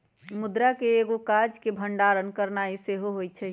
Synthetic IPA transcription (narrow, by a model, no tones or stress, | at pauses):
mʊd̪ɾakeːɡokad͡ʒkebʱəɳɖaɾənkəɾnaiseɦoɦojt͡ʃʰɛ